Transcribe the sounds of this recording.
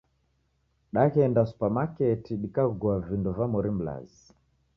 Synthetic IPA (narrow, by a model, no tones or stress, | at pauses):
ɗaɣɛndasu̥pamakɛtiɗikaɡuavindɔvamɔɾim̩la̰zi